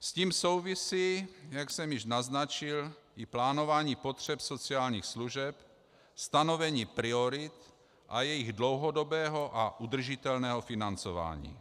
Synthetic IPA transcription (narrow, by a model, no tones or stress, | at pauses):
sciːmsowvisiːjaksɛmjɪʒnaznat͡ʃɪlɪplaːno̞vaːɲiːpot̪r̝̥ɛpso̞t͡siaːlɲiːxsluʒɛp | st̪ano̞vɛɲiːpɾɪoɾɪt̪ | ʔajɛjɪɣdlo̞wɦodo̞bɛːɦo̞ʔaʔud̪r̩ʒɪt̪ɛlnɛːɦofinant͡sova̰ːɲḭː